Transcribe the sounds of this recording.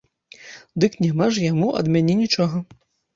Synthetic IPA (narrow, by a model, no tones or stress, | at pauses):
d̪ɨknʲɛmaʐjamuʔɐ̰d̪mʲanʲinʲit͡ʂɔɣɐ